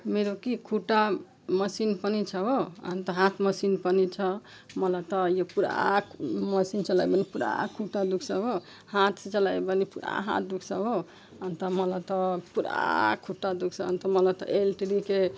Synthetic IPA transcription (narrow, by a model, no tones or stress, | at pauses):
meɾokikʰuʈa | məsinpənit͡ʃʰəɦoə̰nt̪əɦat̪ʰməsinpənit͡ʃʰə | mʌlat̪ɔjopuɾa̰ | məsint͡ʃəlajbənipuɾa̰kʰuʈːad̪ukʰsəbo | hat̪ʰset͡ʃəlajbənipuɾa̰ɦa̰t̪̚ʰd̪ukʰsəbo | ənt̪əməlat̪ɔpuɾa̰kʰuʈːad̪uksəə̰nt̪əmələt̪ɔ̰ʔelʈɾike